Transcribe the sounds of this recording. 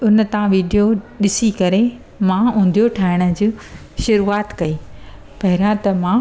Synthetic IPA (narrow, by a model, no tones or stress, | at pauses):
ʊnə̆t̪ãʋiːɖijoɗɪsikɐɾe | mãːũːn̆d̪ʱijoʈʰaːɪɽ̃ə̆d͡ʑiː | ʃʊɾuːaːt̪kɐiː | pɐɦɪɾãt̪ɐmã